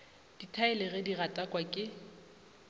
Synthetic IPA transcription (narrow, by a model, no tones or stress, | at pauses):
d̥itʰaɛlɪɣɛdiratʼakʼwakʼɪ